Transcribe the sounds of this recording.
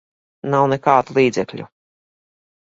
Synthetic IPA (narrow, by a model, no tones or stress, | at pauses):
nawnɛkaːd̪ulˠiːd̪zɛklʲṵ